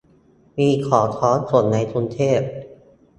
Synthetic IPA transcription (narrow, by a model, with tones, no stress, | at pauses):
miː˧kʰɔː˩˦t̪ʰɔː˦˥nsu˨˩ənːa˧jk̪ʰu˧nt̪ʰeː˥˩p̚